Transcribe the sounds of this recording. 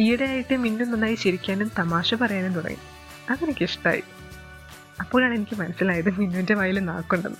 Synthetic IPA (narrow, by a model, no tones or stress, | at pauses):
ijɐɽejaːjiʈːɨminːunːɐnːaːjiɕɐɾikʲːaːnumt̪ɐmaːɕɐpɐrɐjaːnent̪uɽɐ̰ŋːḭ | ɐðinɨkʲːeʂʈa̰ːjḭ | ɐpːoːɭaːɳe̞nikʲːɨmɐnɐsːilaːjɐðɨminːundeʋaːjilna̰ːkːoɳɖṵnːɨ